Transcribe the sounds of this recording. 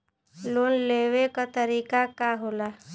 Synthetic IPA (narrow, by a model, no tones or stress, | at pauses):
loːnleːʋekat̪əɾiːkakaɦoːla